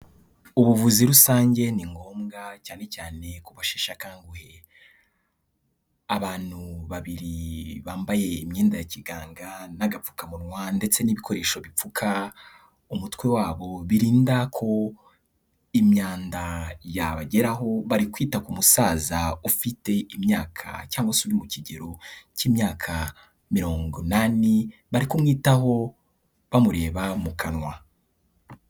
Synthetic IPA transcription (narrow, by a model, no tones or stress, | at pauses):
uβuvuziɾusaːɲɟe̞niŋɡo̞ːmɡacaːne̞caːne̞kuβaʃeːʃakaːŋɡuhe̞ | aβaːn̥huβaβiɾiβaːmbaje̞imɲiːndajaciɡaːŋɡanaɡap͡fu̥kamuɾŋwande̞t͡se̞niβikʰo̞ɾe̞ːʃo̞βip͡fukʰa | umutkwe̞waːβo̞βiɾiːndakʰo̞ | imɲaːndajaβaɟe̞ɾaɦo̞βaɾikwiːtakumusaːzaufite̞imɲaːkʰa̰caːŋɡwasuɾimuciɟḛɾo̞ciːmɲaːkʰa | miɾo̞ːŋɡunaniβaɾikumŋiːtaɦo̞ | βamuɾe̞ːβamukʰanŋwa